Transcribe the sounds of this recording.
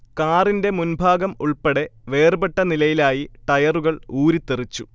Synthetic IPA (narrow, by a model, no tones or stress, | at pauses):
kaːrinde̞munbʱaːɡɐmuɭpeɽe̞ʋe̞ːrbeʈːɐnilɐjilaːjiʈɐjɐruɣɐɭuːɾit̪ːerit͡ɕːu